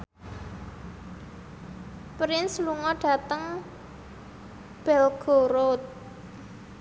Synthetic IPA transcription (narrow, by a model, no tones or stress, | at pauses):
pɾɪnsluŋɔɖ̥ä̤t̪əŋ | b̥ɛlɡ̥o̤ɾot̪̚